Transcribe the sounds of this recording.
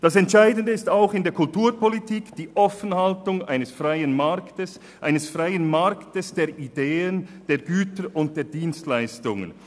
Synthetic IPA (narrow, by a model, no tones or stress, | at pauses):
d̥ɑsɛntʃaɪdən̩dəɪstaʊxɪndeːɐkʊltuːɾpʰɔlitiːkd̥iːʔɔfənhaltʊŋa̰ɪnəsfʁaɪənmaɾktəs | ʔaɪnəsfraɪənmaɾktəsd̥eːɐideːənd̥eːɐɡyːtəɾʊnt̚d̥eːɐdiːnstlaɪstʊŋə̰n